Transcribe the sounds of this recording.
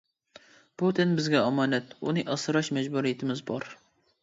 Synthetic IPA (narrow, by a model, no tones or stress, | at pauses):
b̥ut̪ʰɪnbɪzɡʲɛɑmɑːnɛt̪unɨʔɑsɨɾɑʃmɛd͡ʒbuɾijɪt̪ʰɪmɪzbɑɾ